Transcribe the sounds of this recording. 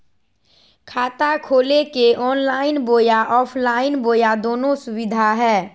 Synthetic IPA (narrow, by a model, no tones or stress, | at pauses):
kʰaːt̪akʰoːlekeʔɔːnlaːɪnboːjaʔɔːpʰlaːɪnboːjad̪oːnõsʊbɪd̪ʱaɦɛː